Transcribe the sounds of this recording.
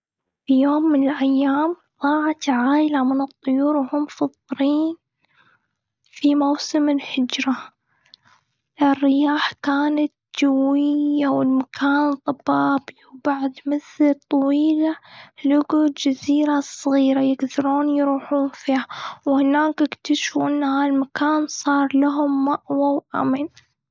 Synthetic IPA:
fijoːmːɪnɪlʔajːaːm | ðˤɑːʕat̪ʕaːjɪlamɪnɨt̪ˤːʊjuːɾhʊmfɑðˤɾiːn | fimawsɪmɪlhɪd͡ʒɾa | ʔɪrːɪjaːħkaːnat̪̚d͡ʒawːɪjːawɪlmakʰaːnt̪ˤɑbɑːbiwbaʕd̪mɪθɪlt̪ˤɑwiːlalʊɡuld͡ʒaziːɾasˤɣiːɾajɪɡd̪ɑɾuːnjɾuːħuːnfiːhawhɪnaːkʔɪkt̪aʃfuʔɪnːhaːlmakaːnsˤɑːɾˤlaɦʊmːaʔwawʔa̰min

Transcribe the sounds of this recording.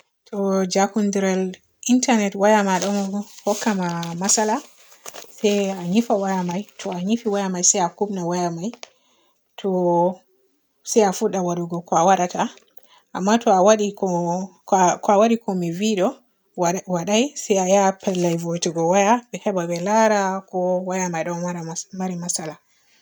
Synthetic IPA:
tʰɔd͡ʒakundiɾal | ʔintanɛtwajamaɗɔmhɔkːamamasala | sɛjaɲifawajamajtʰɔaɲifiwajamajsajakubnawajamaj | tʰɔ | sɛafuɗawaɾuɡɔkɔawaɾatʰa | amːatɔawaɗikɔ | kɔawaɗikɔmiviɗɔ | waɗajsɛjajapɛlːajvotiɡɔwajaɓɛhɛbabɛlaɾakɔwajamajɗɔmaɾamaɾimasala

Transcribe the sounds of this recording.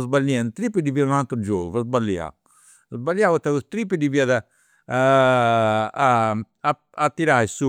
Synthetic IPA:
zbalːɛnt̪ɾipːid̪iviaunat̪ɾd͡ʒoːɡuvazbalja̰ | azbalːjawut̪aust̪ɾip̬ːid̪iviaða | at̪ːiɾajsu

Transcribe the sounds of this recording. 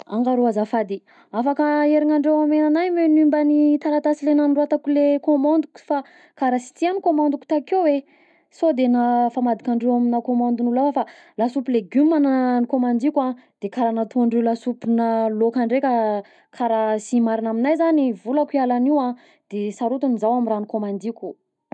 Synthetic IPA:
a̰ŋɡaɾuazafad̪i | afakaeɾiŋaɳɖ͡ʐewamenanajmenimbanit̪aɾat̪asilenanruat̪akulekomand̪ukʲu̥fa | kaɾasi̥t̪ianikomãnd̪uku̥t̪akewe | sod̪enafamad̪ikʲaɳɖ͡ʐewaminakomãnd̪unulafəfa | lasupileɡumanənikomand̪ikʲãd̪̥ekaɾanat̪uaɳɖ͡ʐewlasupinalokaɳɖ͡ʐeka | kʰaɾasimaɾinaminajzanivulakialaniwã | d̪̥esaɾut̪unizawaminranikomand̪ikʲu̥

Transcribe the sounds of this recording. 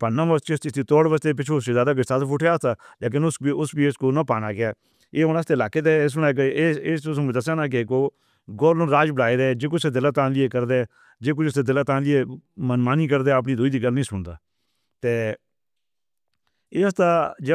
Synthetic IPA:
pənãːməst͡ʃest̪it̪iːt̪ɔːɽʋəst̪eːp̬ɪt͡ʃʰoːʊseːzjaːd̪aːɡɪst̪aːt̪ːp̬ʰʊːʈʰeaːst̪aːleːk̬ɪnʊsiʊsbiːɪskoːnãːpaːnaːkɪjaː | eːonaːs̬t̪eːlaːkeːt̪eːɪs̬ənaːk̬ːeːsʊsmd̪əs̬ãːnaːk̬ekoː | ɡoːɾnõːɾaːd͡ʒbəɽaːed̪eːd͡ʒeːk̬ʊseːd̪ɪlaːt̪ãːnlɪeːkəɾd̪eː | d͡ʒeːk̬ʊt͡ʃʊseːd̪ɪlaːt̪ãːnlɪeːmənmaːniːkəɾd̪eəp̬niːd̪ʊːiːd̪iːɡəlnĩːsʊɳd̪aː | t̪eː | eːəst̪aːd͡ʒ

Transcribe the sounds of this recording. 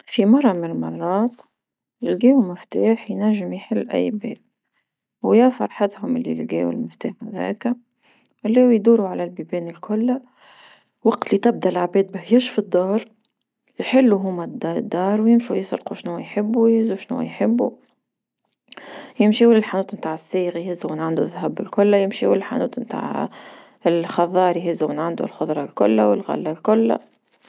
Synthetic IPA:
fimɑrˤːɑmɪnɪlmɑrˤːɑːt̪ | ʔɪlɡɛːwumɪft̪aːħjnæʒːɪmjħɪlːʔæ̰jbɛ̰ːʔ | wjafɑɾˤħat̪hʊmɪlːḭlɡɛ̰ːwɪ̰lmɪft̪aːħðæ̰ːkæ | ʔlːæːwjd̪uːɾuʕalælbibɛːnɪlkʊlː | wɑqt̪lit̪ɪb̚d̪ælʕabɛːd̪̚bæhjɪʃfid̪ːɑːɾˤ | jħɪlːuɦʊmæd̪d̪ːɑːɾˤwjɪmʃujɪsˤɾquʃnuːajħɪbːuwjhɪzuʃnṵːæ̰jħɪbːṵ | jɪmʃiwlɪlħanuːt̪mt̪aːʕɪsːiːɣajhɪzːumɪnʕɪnd̪uðːɦæbɪlkʊlːajɪmʃiwɪllħa̰nuːt̪mt̪a̰ːʕ | ɪlxɑðˤɑːɾˤjɦɪzumɪnʕand̪ṵlxʊðˤɾˤɑlkʊ̰lːawɪlɣæ̰lːælkʊlːa̰

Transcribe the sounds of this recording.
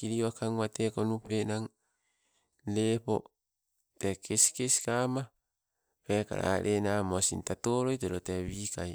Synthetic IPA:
kiɾiakaŋwatekonupenaŋ | lepo̰ | tekʰesi̥kesi̥kama | peka̰ɾa̰ɾʔenaːmosḭntatoːɾojteɾoteβikaj

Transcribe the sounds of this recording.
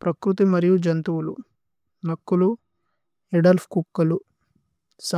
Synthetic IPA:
pɾɐkɾut̪imɐɾijud͡ʒɐnt̪uwulṵ | nɐkːulu | eɖɐlfʰkukːɐlu | sɐ

